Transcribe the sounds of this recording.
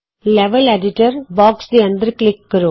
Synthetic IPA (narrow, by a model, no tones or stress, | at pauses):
lɛʋɐleɖɪʈɐɾbaːksd̪iɐnd̪ɾklɪkːɐɾu